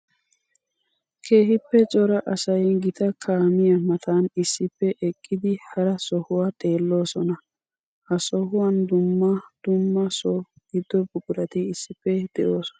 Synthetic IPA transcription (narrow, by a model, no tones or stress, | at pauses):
kʰe̞ːɦɪpːɛt͡sʼɔɾɐʔɐsɐjɡɪt̪ɐkʰaːmɪjɐmɐt̪ʰaːnɪsːɪpːɛʔɛkʼːɪd̪ɪhɐɾɐsɔhʊwaːt̪ʼe̞ːlːo̞ːsɔnɐ | hɐsɔhʊwɐnd̪ʊmːɐd̪̥ʊmːɐsɔ | ɡ̥ɪd̪ːɔbʊkʼʊɾɐt̪ɪɪsːɪpːɛd̪̥ɛʔoːsɔ̥nɐ